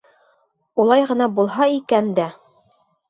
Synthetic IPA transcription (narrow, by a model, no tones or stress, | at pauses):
ulˠɑjʁɤ̆nɑbulˠɦɑikænd̪æ